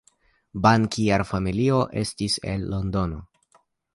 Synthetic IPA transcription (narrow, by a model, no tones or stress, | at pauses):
bankiaɾfamilio̞ʔe̞stisḛlːo̞ndo̞no̞